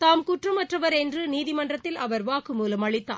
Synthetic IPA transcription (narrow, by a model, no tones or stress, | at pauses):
t̪aːmkʊʈrɯmɐʈrɐʋɐɾɛndrɯniːðɪmɐndrɐt̪ːɪlɐʋɐɾʋaːkɯmuːlɐmɐɭɪt̪ːa̰ː